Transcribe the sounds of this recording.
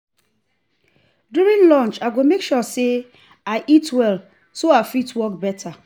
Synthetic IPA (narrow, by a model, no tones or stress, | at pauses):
djuɹĩnlɔ̃nt͡ʃaɡomekʃɔse | aɪʔitwɛl | soafitwɔk̚bɛtʰa